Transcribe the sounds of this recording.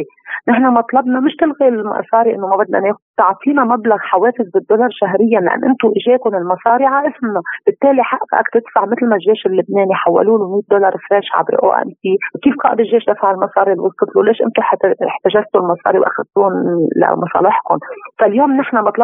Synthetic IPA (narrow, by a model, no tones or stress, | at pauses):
nɪħnamɑt̪ˤlɑbnɑmɪʃt̪ɪlɣilmɑ̰sˤɑːɾiʔɪnːomabad̪lʔa̰neːxʊd̪̚t̪ˤɑʕfiːnamablaɣħaweːfɪzbɪd̪ːʊlɑɾˤʃaɦɾɪjːanla̰ʔa̰nːʔɪnt̪ʊʔɪʒeːkʊnɪlmɑsˤɑːɾiʕaʔɪsmnab̥ɪt̪ːeːliħaʔqʔa̰kt̪ɪt̪faʕmɪt̪lmaʒːeːʃɪlːɪbneːniħawːa̰luːnumiːt̪̚d̪olɑɾˤfɾeːʃʕa̰bɾ̰ʔo̰ːʔæ̰msiːwkiːfqɑːʔɪd̪ɪʒːeːʃd̪afaʕɪlmɑsˤɑːɾilwʊzqɨt̪luleːʃʔɪ̰nt̪ʊħħt̪aʒast̪ulmɑsˤɑ̰ːɾiwʔa̰xad̪̚t̪uːnla̰mɑsˤɑ̰ːlɪħkʊnfaljoːmnɪħnamɑt̪ˤlɑ